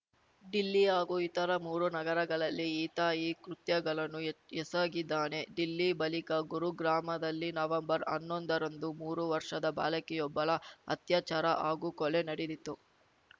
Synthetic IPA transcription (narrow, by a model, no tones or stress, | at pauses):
ɖilːiaːɡuit̪ɐɾɐmuːɾunɐɡɐɾɐɡɐɭɐlːiiːt̪aːjikɾut̪jɐɡɐɭɐnːuɛsaːɡid̪ːaːne̞ɖilːibɐlikɐɡuɾuɡɾaːmɐd̪ɐlːinɐʋɐmbɐɾɐ̰nːo̞nd̪ɐɾɐnd̪umuːɾuʋɐɾʂɐd̪ɐba̰ːlɐkɛjɔbːɐɭɐɐ̰t̪jaːt͡ʃaːɾɐʔaːɡukɔlenɐɽed̪it̪ːu